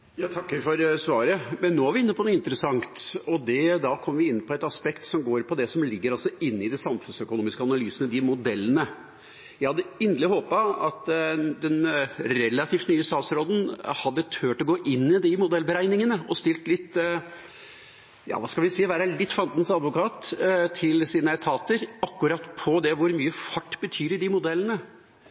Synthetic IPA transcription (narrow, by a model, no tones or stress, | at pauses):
jɑːt̪ʰɑkːfɔɾsʋɑːɾəmɛnːoːæɾʋɪɪnːəpʰɔnuːɪnt̪əɾəsɑŋt̪ɔd̪ɛd̪ɑkʰɔmːəʋɪɪnːpʰɔɛt̪ɑspɛkt̪sɔmɡoːɾpʰɔd̪ɛsɔmlɪɡːəɾɑlsɔɪnːɪd̪ɛsɑmfʉnsœkʊnuːmɪskəɑnɑlyːsənəd̪ɪmʊd̪ɛlːənə | jæɪhɑd̪ːəɪnd̪lɪhoːpɑɑt̪d̪ɛnɾɛlːɑt̪ʰiːft̪nyːəst̪ɑːt̪sɾoːd̪ən̩hɑd̪ːət̪ʰøːʈɔɡoːʔɪnːɪd̪ɪmʊd̪ɛlbəɾæɪnɪŋənəɔst̪ɪlt̪lɪt̪ː | jɑ̰ːʋɑ̰ːskɑlʋɪsiːʋæːɾælɪt̪ːfɑnt̪nsɑd̪ʋʊkɑːt̪t̪ʰɪlsiːnəɛt̪ʰɑːt̪əɾɑkːʉɾɑt̪pʰɔd̪ɛʋʊɾmyːəfɑʈːbət̪ʰyːɾɖɪmʊd̪ɛlːənə